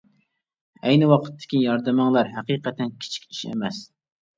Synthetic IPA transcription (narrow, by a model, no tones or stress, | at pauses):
ɛjnɨwɑqʰə̥t̪ʰːɪ̥kʲijɑɾd̪ɨmɨŋlˠɑɾɦæqiːqɛt̪ʰɛnkʲʰi̥t͡ʃʰi̥kʲi̥ʃḛmɛs